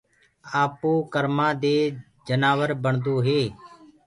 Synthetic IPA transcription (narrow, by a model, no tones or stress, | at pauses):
aːpuːkəɾmãːd̪eː | d͡ʒənaːʋəɾbəɳd̪oːɦeː